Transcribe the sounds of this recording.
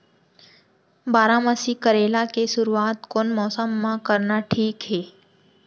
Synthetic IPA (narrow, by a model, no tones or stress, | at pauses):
baːɾãməsikəɾelakesʊɾuat̪koːnmɔːsəmːãkəɾnaʈʰiːkɦe